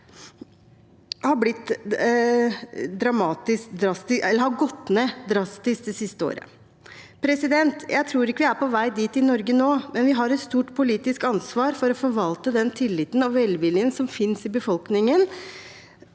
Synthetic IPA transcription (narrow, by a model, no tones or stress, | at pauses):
hɑblɪt̪ː | d̪ɾɑmɑːt̪ɪskd̪ɾɑst̪ɪʔɛlːəɾhɑɡɔt̪ːneːd̪ɾɑst̪ɪsk̚d̪ɛsɪst̪əo̰ːɾə̰ | pʰɾɛsɪd̪ɛnt̪jæɪt̪ʰɾuːɾɪkːəʋɪæɾpɔʋæɪd̪iːt̪ɪnɔɾɡənoːmɛnʋɪɦɑɾɛt̪st̪uːʈpʰʊliːt̪ɪskɑnsʋɑːɾfɔɾɔfɔɾʋɑlt̪əd̪ɛnt̪ʰɪlːɪt̪nɑʋʋɛlʋɪljənsɔmfɪnsɪbəfɔlknɪŋən